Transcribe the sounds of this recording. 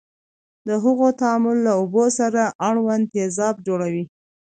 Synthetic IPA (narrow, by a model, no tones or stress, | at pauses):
d̪əɦəɣot̪aɑmʊlːaobosaɾaʔaɽwand̪ezɑb̚d͡ʒoɽawi